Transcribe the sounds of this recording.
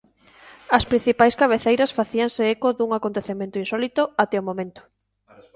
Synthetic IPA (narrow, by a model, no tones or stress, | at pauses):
ɐspɾin̟θipajskaβ̞eθejɾɐsfaθiaŋseekoðuŋakont̪eθemẽnt̪oinsɔlit̪ʊat̪ɛomõmẽnt̪ʊ̥